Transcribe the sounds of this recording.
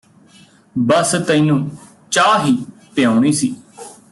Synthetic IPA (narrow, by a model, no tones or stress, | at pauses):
bəst̪ə̃ĩnũː | t͡ʃaːɦiːpɪjãːuɳ̃iːsiː